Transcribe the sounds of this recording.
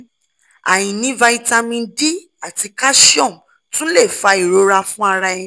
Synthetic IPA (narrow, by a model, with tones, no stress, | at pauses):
a̰˨jĩ˨nĩ˨˦va˧i˧ta˧mĩ˧n˦di˦ | a˦˨ti˧ka˦ʃi˦ɔ̃˦˨ | tũ˦lɛ˦˨fa˧˦i˨ɾo˨˧ɾa˧fũ˦a˧ɾa˧ɛ̃˧